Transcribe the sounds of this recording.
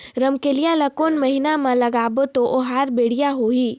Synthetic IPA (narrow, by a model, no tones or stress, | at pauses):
ɾɐmkelijalɐkoːnmɐɦɪnamãlɐɡaːbot̪oʔoɦaːɾbeːɽ̤ijaɦoːiː